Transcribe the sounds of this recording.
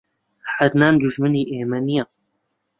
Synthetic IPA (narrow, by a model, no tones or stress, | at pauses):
ħaɾnaːnd̪uʒmɨniːʔeːmɛnija